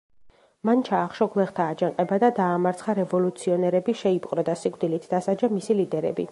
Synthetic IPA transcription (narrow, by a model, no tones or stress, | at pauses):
mant͡ʃʰaːχʃɔɡlˠɛχt̪ʰaːd͡ʒaŋqʼɛbad̪ad̪aːmaɾt̪sʰχaɾɛvɔlut̪sʰiɔnɛɾɛbiʃɛipʼqʼɾɔd̪asikʼd̪ilit̪ʰd̪asad͡ʒamisilid̪ɛɾɛ̰bḭ